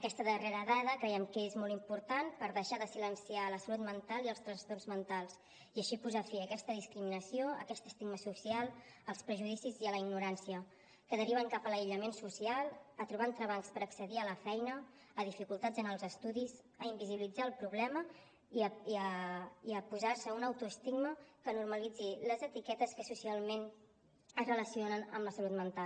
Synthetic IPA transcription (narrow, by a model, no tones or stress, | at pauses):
əkɛst̪əðəreɾəðaðəkɾɛjɛmkəezmɔlˠt̪impuɾt̪anpəɾðəʃaðəsilənsialəsəlut̪mənt̪alˠiəlˠst̪ɾənst̪orzmənt̪alˠs | iəʃipuzafiəkɛst̪əðiskɾiminəsioə̰kɛst̪əst̪iɡməsusialˠ | əlˠspɾəʒuðisiziələiɡnuɾansiə | kəðəɾiβ̞əŋkapələiʎəmensusialˠət̪ɾuβant̪ɾəβaŋspəɾəksəðiələfɛjnəː | ðifikulˠt̪ad͡zənəlˠzəst̪uðiz | əimbiziβilid͡zaəlˠpɾuβlɛmə | əəiəpuzaɾsəunəwt̪uəst̪iɡməkənurməlid͡ziləzət̪ikɛt̪əskəsusialˠmen | əzrələsionənə̰mləsəlut̪mənt̪al